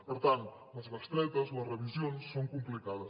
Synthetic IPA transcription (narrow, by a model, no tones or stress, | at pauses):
pəɾt̪ant̪ | ləzβast̪ɾɛt̪ɐzoɐzreβizjonsːoŋkumplikaðɐs